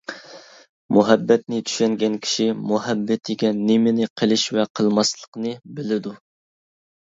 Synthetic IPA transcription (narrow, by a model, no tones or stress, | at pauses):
muɦɛbːɛt̪̚nɪt̪ʰy̥ʃɛŋɡʲɛnkʲʰi̥ʃimuɦɛbːɪt̪ʰɪɡʲɛnɪmɪnɪqʰəlˠɪʃvɛqʰəlˠmɑslˠə̥qnɨbɪlɪd̪u